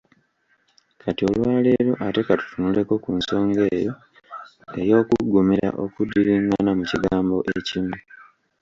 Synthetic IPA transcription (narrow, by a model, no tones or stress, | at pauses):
katio̞lwaːle̞ɾoʔate̞katu̥tunule̞ko̞kunso̞ːŋɡe̞ːjo | e̞jo̞ːkuɡːumiɾa̰ʔo̞kudiɾiːŋɡaanamuciɡaːmbo̞̰ʔecimu